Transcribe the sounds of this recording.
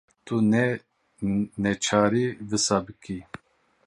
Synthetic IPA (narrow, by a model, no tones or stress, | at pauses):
t̪ʰunɛ | nɛt͡ʃʰaːɾivɨsabɨkʰi